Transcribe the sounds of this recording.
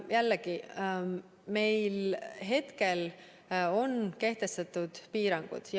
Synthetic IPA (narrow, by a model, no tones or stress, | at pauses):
jælːeɡi | me̞jlɦe̞t̪ke̞l | o̞nke̞ht̪e̞st̪ɑt̪ːˑud̪̥piːɾɑŋɡ̥ṵd̪̥j